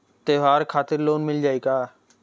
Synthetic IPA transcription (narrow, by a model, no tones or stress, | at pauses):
t̪eɦaːɾkʰaːt̪ɪɾloːnmɪld͡ʒaːiɡaː